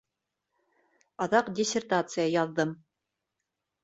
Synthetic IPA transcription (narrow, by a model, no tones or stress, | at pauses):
ɑðɑqdʲɪsʲɪrt̪at̪sɨjəjɑðːɤm